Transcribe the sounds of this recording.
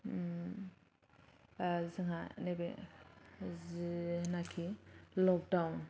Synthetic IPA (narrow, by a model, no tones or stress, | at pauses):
zɯŋɦanebe | znakʰilɔk̚dawn